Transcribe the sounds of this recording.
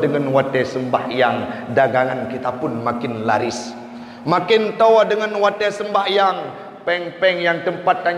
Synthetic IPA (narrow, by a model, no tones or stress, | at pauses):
dəŋanwat̪ɛsəmbahjaŋdaɡaŋankit̪apʊnmakɪnla̰ɾɪs | makɪnt̪owadəŋanwat̪ɛsəmbahjaŋ | pɛŋpɛŋjaŋt̪əmpat̪̚kaɲ